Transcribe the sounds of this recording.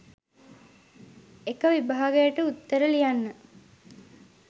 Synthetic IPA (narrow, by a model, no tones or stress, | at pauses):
ekəʋibaɦːɡejəʈəut̪ːəɾəlijanːə